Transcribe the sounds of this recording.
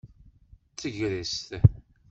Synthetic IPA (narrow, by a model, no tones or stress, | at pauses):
t͡sːəʝɾist̪